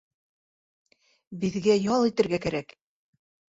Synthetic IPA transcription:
bɘ̆ðɡæjɒlˠit̪ɘ̆ɾɡækæɾæk

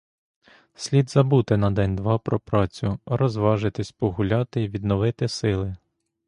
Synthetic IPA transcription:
sʲlʲid̪zɐbut̪ɪnɐd̪ɛnʲd̪ʋɑpɾɔpɾɑt͡sʲʊɾɔzʋɑʒɪt̪ɪsʲpɔɦʊlʲɑt̪ɪiʋʲid̪nɔʋɪt̪ɪsɪlˠɪ

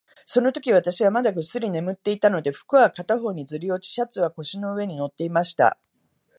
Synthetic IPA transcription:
so̞no̞t̪o̞kʲiβ̞at̪aɕiβamad̪aɡɯ̟sːɨɾʲine̞mɯ̟t̪ːe̞it̪ano̞d̪e̞ɸɯ̥kɯ̟βakat̪aɦo̞ːɲ̟id͡zɨɾʲio̞t͡ɕi̥ɕat͡sɨβako̞ɕino̞ɯ̟e̞ɲ̟ino̞t̪ːe̞imaɕi̥t̪a̰

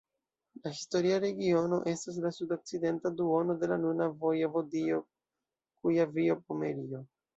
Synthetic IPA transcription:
lahisto̞ɾiaɾe̞ɡio̞no̞ʔe̞stas̬lasudo̞k̚t͡side̞ntaduo̞no̞de̞lanunavo̞javodio̞ | kujavio̞pomeɾio̞

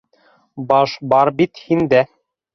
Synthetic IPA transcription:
bɑʃbɑɾbit̪hind̪æ

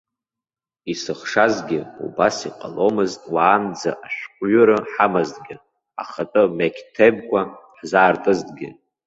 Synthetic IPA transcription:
isɨχʂazɡʲɪṵbasiqʼa̰lo̞mɨztʼwaːnd͡za̰ʔaʃᶣqʷʼɥʊɾɨħamazdɡʲɪ | a̰χatʼɨmekʲʰtʰeb̚kʷʰʼaħzaːrtʼɨzdʼɡʲɪ

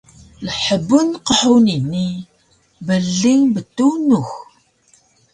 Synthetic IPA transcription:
lħəbːʊnqəħuwninːi | bəlːiŋbət̪ːuwnux

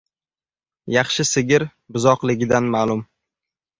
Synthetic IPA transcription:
jɑχʃɪsɪɡʲɪɾ | bʊzɒqlˠɪɡʲɪd̪anmaːlˠʊm

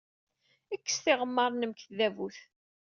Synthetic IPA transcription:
ækːə̥st̪ɪʁəmːəɾˤnəmkθðævuθ

